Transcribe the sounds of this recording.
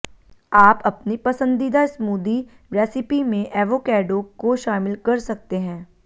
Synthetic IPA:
aːpɐpnipɐsə̃nd̪id̪aɪsmuːd̪i | ɾɛːsɪpimẽʔɛːʋoːkɛːɖokoʃaːmɪlkɐɾsɐk̚t̪eɦɛ̃ː

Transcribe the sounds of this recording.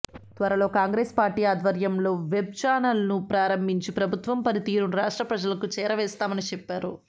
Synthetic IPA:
t̪ʋɐɾɐlo̞ːkaːŋɡɾeːspaːɾʈiːaːd̪ʋɐɾjɐmlo̞ːʋeb̚t͡ʃaːnɐlɐnupɾaːɾɐmbʱiɲt͡ʃipɾɐbʱut̪ʋɐmpɐɾit̪iːɾuɾaːʂʈɾɐpɾɐd͡ʒɐlɐkut͡ʃɛːɾɐʋɛːst̪aːmɐnit͡ʃɛpːaːɾu

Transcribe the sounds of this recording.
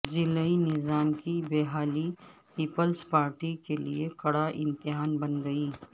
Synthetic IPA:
zɪləinɪzaːmkibeːɦaːlipiːpəlspaːɾʈikelḭekɐɽaʔɪ̃nt̪ɪɦaːnbɐnɡɐiː

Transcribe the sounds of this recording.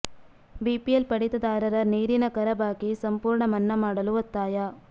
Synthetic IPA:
bipiɐlpɐɽɪt̪ːɐðaːɾɐɾɐniːɾɪnɐkɐɾɐbaːkisɐmpuːɾɳɐmɐnːɐmaːɽɐlɯʋɐt̪ːaːjaː

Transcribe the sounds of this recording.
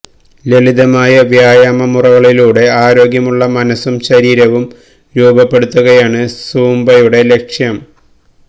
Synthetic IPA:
leliðɐmaːjɐʋjaːjaːmɐmurɐʋɐɭiluːɽe̞aːɾo̞ːɡjɐmuɭːɐmɐnɐsumɕɐɾiːɾɐʋum | ɾuːbɐpːe̞ɽut̪ːuɣɐjaːɳɨsuːmbɐjuɽe̞le̞kʂjɐm

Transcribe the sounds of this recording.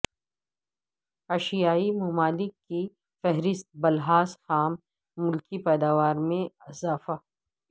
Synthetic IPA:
ɐʃijaːimʊmaːlɪkːi | fɛɦɾɪst̪̚bɐlɦaːsxaːmː | ʊlkipɛːd̪aːʋaːɾmẽɪzaːfa

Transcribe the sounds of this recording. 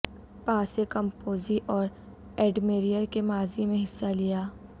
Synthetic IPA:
pãːsekɐ̃mpoːziʔɔːɾ | ɛːɖmeːɾijəɾkemaːzimẽɦɪsːalijaː

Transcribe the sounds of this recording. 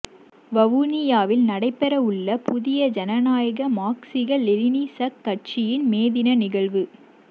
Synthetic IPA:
ʋɐʋunɪjaːʋɪlnɐɽɐɪpːɛɾɐɯɭːɐpʰʊðɪjɐd͡ʒɐnɐnaːjɐɣɐmaːksɪɣɐɭɛlɪniːsɐkːɐʈ̚t͡ʃɪjɪnmeːðɪnɐnɪɣɐɭʋɯ

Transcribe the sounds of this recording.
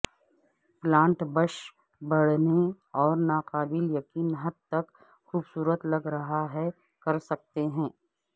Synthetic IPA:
plãːɳʈbəʃ | bɐɽ̤ne | ɔːɾnaːqaːbɪljɐkiːnɦɐd̪̚t̪ɐk | xuːbsuːɾət̪lɐɡɾɐɦaɦɛ | kɐɾsɐk̚t̪eɦɛ̃ː

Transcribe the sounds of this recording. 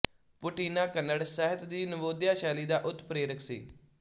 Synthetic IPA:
pʊʈiːnaːkənːəɽsɛɦət̪d̪iːnəʋoːd̪jaːʃɛːliːd̪aːʔʊt̪ːpɾeːɾəkʰsḭː

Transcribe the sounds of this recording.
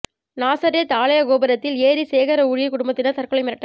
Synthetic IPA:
naːsaːɾɪjɐt̪aːɭɐjɐkoːbɐɾɐt̪ːɪleːɾiseːɣɐɾɐʊɻɪjɐkːʊɽʊmbɐt̪ːɪnɐt̪ɐɾkɯɭɐɪmɪɾɐʈːɐ

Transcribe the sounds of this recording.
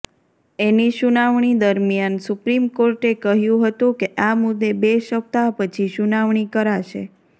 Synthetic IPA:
eniʃunaʋɳ̃id̪əɾmjansupɾimkoɾʈekəɦjũɦət̪ũkeʔamʊd̪ːebeʃək̚t̪apət͡ʃʰiʃunaʋɳ̃ikəɾaʃḛ

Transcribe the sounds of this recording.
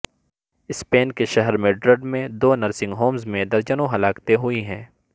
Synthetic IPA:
ɪspeːnkeʃɐɦəɾmẽɖɾəɖmẽd̪oːnɐɾsɪ̃ŋɡɦoːmzmẽd̪ɐɾd͡ʒənõɦɐlaːkt̪eɦʊiɦɛ̃ː

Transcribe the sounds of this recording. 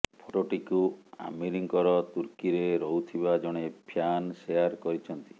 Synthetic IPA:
pʰoʈoʈikua̰miɾiŋkɔɾɔt̪uɾkiɾeɾɔɦut̪ʰibad͡ʒɔɽ̃epʰjansejaɾkɔɾit͡ʃʰɔnt̪i̥

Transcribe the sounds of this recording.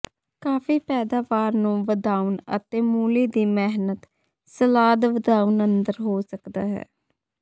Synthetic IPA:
kaːfʰiːpɛːd̪aːʋaːɾnũːʋəd̪aːunə̰t̪eːmuːliːd̪iːmɪɦnət̪ | səlaːd̪ʋəd̪aːuʊnənd̪əɾɦoːsəkd̪aːɦɛ̰ː

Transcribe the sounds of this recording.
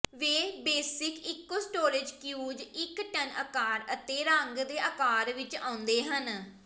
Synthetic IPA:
ʋeːbeːsɪkɪkːoːsʈoːɾɪd͡ʒkjuːd͡ʒɪkʈənəkaːɾət̪eːɾə̃ŋɡd̪eːʔəkaːɾʋɪt͡ʃã̰ːʊnd̪eːɦən

